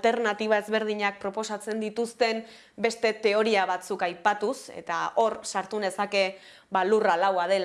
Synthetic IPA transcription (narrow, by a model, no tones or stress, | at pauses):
t̪e̞ɾnat̪iβ̞ae̞zβe̞ɾð̞iɲak̚pɾo̞po̞sat͡se̞nd̪it̪ust̪e̞m | be̞st̪e̞t̪e̞o̞ɾiaβat͡sukajpat̪use̞̰t̪ao̞ɾsaɾt̪une̞sake̞ | βaluralawað̞e̞l